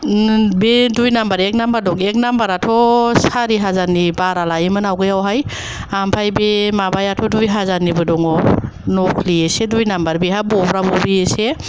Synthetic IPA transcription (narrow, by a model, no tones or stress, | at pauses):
bedujnambaɾek̚nambaɾdɔŋek̚nambaɾatʰɔsaɾiɦazanibaɾalaimɯnawɡɯjawɦaj | ampʰajbemabajatʰɔdujɦazanibɯdɔŋɔ | nɔkʰliesedujnambaɾbiɦabɔbɾabɔbiese